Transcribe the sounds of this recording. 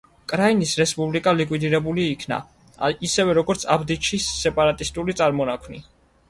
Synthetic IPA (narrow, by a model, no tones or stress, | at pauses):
kʼɾainisɾɛspʼublikʼalikʼwid̪iɾɛbuliːkʰna̰ | isɛvɛɾɔɡɔɾt̪sʰabd̪it͡ʃʰisːɛpʼaɾat̪ʼist̪ʼulit̪sʼaɾmɔnakʰwnḭ